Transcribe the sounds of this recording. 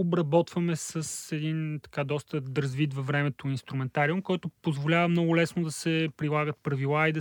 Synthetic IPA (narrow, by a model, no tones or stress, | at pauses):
obɾɐbɔt̪vɐmɛsəsɛd̪int̪ɐ̥kad̪ɔst̪əd̪ɾɐzvid̪vɐvɾɛmɛt̪oinst̪ɾumɛnt̪aɾiʊmkɔjt̪ʊpozvolʲavɐmnɔɡʊlɛsnod̪ɐsɛpɾilˠaɡət̪̚pɾɐvilˠaid̪ɐ